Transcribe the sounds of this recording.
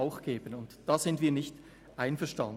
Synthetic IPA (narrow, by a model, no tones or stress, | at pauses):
aʊxɡ̥eːbənʊntd̥aːz̥ɪntviːɐnɪçt | ʔaɪnfɛɐʃtɑn